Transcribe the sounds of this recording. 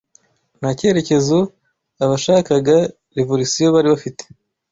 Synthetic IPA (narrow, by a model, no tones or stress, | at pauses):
naceːɾe̞ce̞zo | aβaʃaːkaɡa | ɾivoɾisijoβaɾiβafite̥